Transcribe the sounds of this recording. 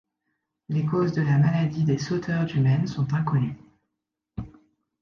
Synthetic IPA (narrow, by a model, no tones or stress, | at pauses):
lekozd̪əlamalad̪id̪esot̪ʰœʁzymɛnsɔ̃t̪ɛ̃kɔny